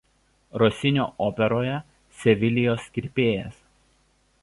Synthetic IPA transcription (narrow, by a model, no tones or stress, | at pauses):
ɾɔsʲɪnʲoːʔoːpʲɛɾoːjɛ | sʲɛʋʲɪlʲɪjoːsʲkʲɪɾʲpʲeːjɛs